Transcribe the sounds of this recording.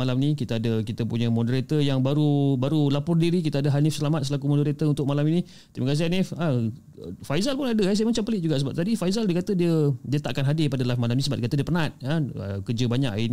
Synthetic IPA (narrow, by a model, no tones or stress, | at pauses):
alamnĩkit̪əadəkit̪əpuɲəmodəɾet̪əjaŋbaɾubaɾulapʊrdiɾik̬it̪əadəɦanɪfsəlamat̪̚səlakumɔndəɾet̪əunt̪ʊk̚malamini | t̪iməkas̬ɪɦanɪfə | fajzalpʊnadəɛsajəmat͡ʃampəlɪʔ̚d͡ʒuɡaʔsəbap̚t̪adifaizaldiəkat̪ədiədiət̪aʔkanɦadɪpadəlafmalamnĩsəbap̚dəkat̪ədiəpərnat̪̚aə̰kərd͡ʒəbaɲa̰ʔin